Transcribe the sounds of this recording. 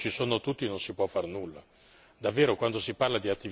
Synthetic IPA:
t͡ʃisoːnot̪ut̪ːinonsipwɔfːarnulːa | d̪avːeːɾokwand̪osiparlad̪iat̪ːi

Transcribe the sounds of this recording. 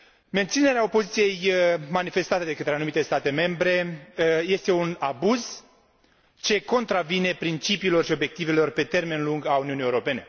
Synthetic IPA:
me̞nt̪sine̞ɾeao̞po̞zit̪sije̞jmanife̞st̪at̪ed̪e̞kət̪ɾeanumit̪e̞st̪at̪e̞me̞mbɾe̞je̞st̪e̞unabuz | t͡ʃe̞ko̞nt̪ɾavine̞pɾint͡ʃipiːlo̞rʃio̞bje̞k̚t̪ive̞lo̞rpe̞t̪e̞rme̞nluŋɡauniunijeuɾo̞pe̞ne̞

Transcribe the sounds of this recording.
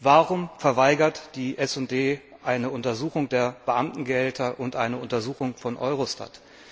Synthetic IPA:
vaːʁʊmfɛɐvaɪɡɐtd̥iːʔɛsʊnt̚d̥eː | ʔaɪnəʊntɐzuːxʊŋdeːɐb̥əʔamtn̩ɡəhɛltʰɐʔʊntʔaɪnəʊntɐzuːxʊŋfɔnʔɔ̰ʏʁoʃta̰t

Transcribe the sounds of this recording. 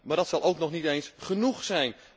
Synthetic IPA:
maːrdɔtsɔlˠʔowknɔxnitejnsχənuxsɛjn

